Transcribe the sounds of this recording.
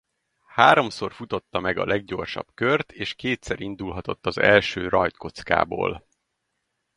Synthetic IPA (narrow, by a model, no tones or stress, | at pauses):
haːɾo̞mso̞rfut̪o̞t̪ːɒmɛɡɒ̰lɛɡɟo̞rʃɒ̰bkørt̪ʰeːʃkeːt̪sɛɾind̪ulɦɒt̪o̞t̪ːɒzɛ̰lʃøːrɒjt̪ko̞t̪ska̰ːbo̰ːl